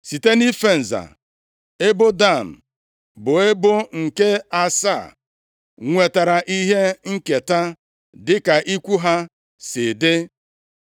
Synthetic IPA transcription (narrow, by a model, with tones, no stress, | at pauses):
si˨te˦ni˦fe˦n̩˨za̰˨ | e˦bʊ˦da˦˨m̩˨ | bʊ˨e˦bʊ˦ŋ̩˨ke˦a˦sa˦˨ | ŋʷe˨ta˨ɾa˨ʔi˦ɦe˦ŋ̩˦ke˨ta˦ | dɪ˦ka˨ʔi˦kʷu˦ɦa˦ | sɪ˨dɪ˦